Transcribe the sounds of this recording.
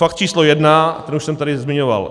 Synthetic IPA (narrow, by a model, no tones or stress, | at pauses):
fakt̪t͡ʃiːslojɛdnat̪ɛnuʃsɛmt̪aɾɪzmɪɲova̰l